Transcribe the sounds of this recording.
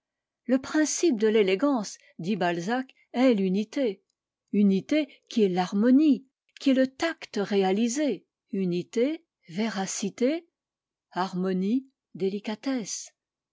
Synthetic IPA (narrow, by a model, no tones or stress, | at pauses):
ləpχɛ̃sip̚d̪əleleɡɑ̃s | d̪ibalzak | ɛlynit̪e | ynit̪e | kʲiɛlaʁmɔni | kʲiɛlət̪akt̪ʁealize | ynit̪e | veʁasit̪e | aʁmɔni | d̪elikat̪ɛs